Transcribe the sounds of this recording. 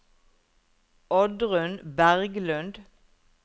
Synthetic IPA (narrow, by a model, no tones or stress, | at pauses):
ɔd̪ʁʉnbæʁɡlʉnd̪